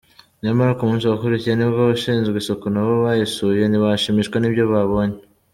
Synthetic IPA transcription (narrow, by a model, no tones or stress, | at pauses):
ɲamaɾakumuːnsuβakuɾicijeniββaβaʃiːnzɡɡiso̞konaβoβajesuje̞niβaʃimiʃkwenibjo̞βaβo̞ɲe